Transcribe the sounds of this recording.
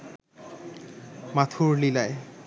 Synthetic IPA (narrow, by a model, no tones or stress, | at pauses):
mat̪ʰuɾlilae